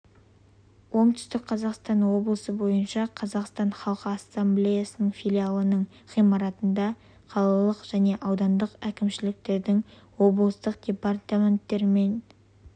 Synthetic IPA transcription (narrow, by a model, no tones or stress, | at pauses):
wo̞ɴt̪ʏ̥st̪ɪkqʰɑzɑqst̪ɑnwo̞blˠəsəbo̞jənʃɑqʰɑzɑqst̪ɑnχɑlˠqəːsːamblʲejasənəɴfʲilʲialˠənəɴ | χijmɑɾɑt̪ənd̪ɑ | qʰɑlˠɑlˠəqʒ̥æne̞ʔɑwd̪ɑnd̪əqækʲɪmʃɪlɪk̚t̪e̞ɾd̪ɪŋ | wo̞blˠəst̪əqd̪̥ʲe̞part̪amʲe̞nt̪ːe̞ɾɪme̞n